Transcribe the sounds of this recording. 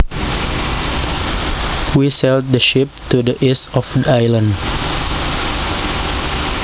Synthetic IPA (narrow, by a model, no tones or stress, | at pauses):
wisɛlt̚dəʃɪp̚tudəʔisɔfdəajlə̃nd